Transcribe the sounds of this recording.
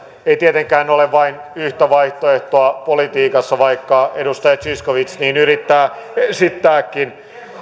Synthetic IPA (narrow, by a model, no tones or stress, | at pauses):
eit̪iet̪eŋkæːnoleʋʋɑin | yht̪æʋɑiht̪oeht̪oɑpolit̪iːkɑsːɑʋɑikːɑedust̪ɑjɑt̪siskoʋit̪sniːnyrit̪ːæː | sit̪ːæːkːin